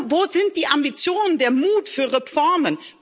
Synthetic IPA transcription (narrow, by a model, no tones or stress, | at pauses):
voːzɪnt̚d̥iːʔambit͡sjoːnəndeːɐmuːtfyːɐʁefɔɐmən